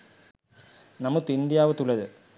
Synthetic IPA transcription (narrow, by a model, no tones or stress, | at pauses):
nɐmuk̪ːind̪ɪjaːʋɐt̪ːulɐðɯ